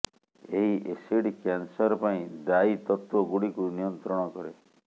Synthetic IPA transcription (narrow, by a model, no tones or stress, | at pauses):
eɦiʔesiɽikjansɔɾɔpaĩd̪ait̪ɔt̪wɔɡuɽikunijɔnt̪ɾɔɽ̃ɔkɔɾe